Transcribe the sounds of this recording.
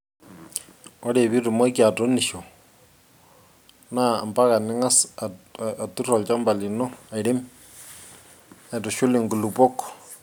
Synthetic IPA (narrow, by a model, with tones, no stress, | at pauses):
ɔ˦ɾe˨bi˦rʊ˨mɔ˦ki˦a˨to˦nɪ˨ʃɔ˨ | na˦a˨mba˦ka˨nɪ˦ŋa˦s | tu˦rɔ˨lt͡ʃa˦mba˨lɪ˨nɔ˦a˨ɪ˨ɾe˦m | ɛ˨tɔ˨ʃʊ˦lɪ˨ŋɡu˨lu˨pɔ˦kɔ̥